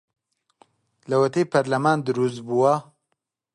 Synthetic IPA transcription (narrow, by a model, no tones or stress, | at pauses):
lɐwɐt̪ejpʰɐɾlɐmaːnd̪ɨɾus̬t̪buwɐ